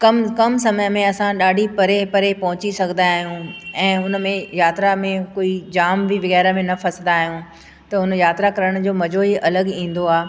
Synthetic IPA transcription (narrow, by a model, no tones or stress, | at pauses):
kɐmkɐmsɐməjəmẽɐsãɗaːɖʱipɐɾepɐɾepɐɦʊ̃t͡ɕisɐɡʱə̃nd̪aːɦijũɛ̃ːɦʊnmẽjaːt̪ɾamẽkoːid͡ʑaːmbʱiʋɐɣɛːɾəmẽnɐfʰɐsnd̪aːɦijũ | t̪ɐʊnjaːt̪ɾakɐɾəɽ̃d͡ʑoːmɐd͡ʑʱoɦiʔɐləɡĩːn̆d̪oaː